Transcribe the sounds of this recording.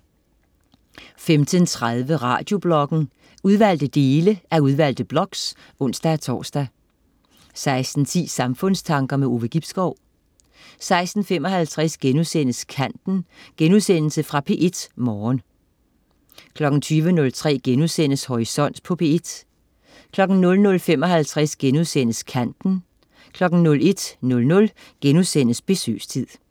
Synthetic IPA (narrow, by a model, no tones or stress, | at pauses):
femd̥ʰənt͡sʰʁɑð̞ˠʋəʁɑ̰̈ːd̥jo̝b̥lɒ̽ɡ̥n̩ | uð̞ˠʋæl̰d̥əd̥e̝ːləʔæɐuðˠʋæl̰d̥əb̥lɒ̽ɡ̥s | ɔ̽n̰sd̥ææt͡sʰɒ̰ːsd̥æ | sɑ̈ɪsd̥n̩t͡sʰḭːsɑ̈mfɔ̽n̰st͡sʰɑ̈ŋɡ̥ɐmeo̝ːʋəɡ̥ib̥sɡ̥ɒʊ̰ | sɑ̈ɪsd̥n̩femɒ̽ɦælt͡sʰʁɛsɡ̥enuðˠsen̰əskʰæn̰d̥n̩ɡ̥enuðˠsen̰l̩səfʁɑ̈pʰe̝ʔe̝d̥mɒːn | kʰlɒ̽ɡ̥n̩t͡sʰyːʋənɔ̽lt͡sʰʁɛ̰ːɡ̥enusen̰əshɒʁisɒ̽n̰d̥pʰɒ̽pʰe̝ed̥ | kʰlɒ̽ɡ̥n̩nɔ̽lnɔ̽lfem̰ɒ̽ɦælt͡sʰʁasɡ̥enuðˠsen̰əskʰæn̰d̥n̩ | kʰlɒ̽ɡ̥n̩nɔ̽le̝d̥nɔ̽lnɔ̽l | ɡ̥enuðˠsen̰əsb̥e̝sø̰ːst͡sʰið̰ˠ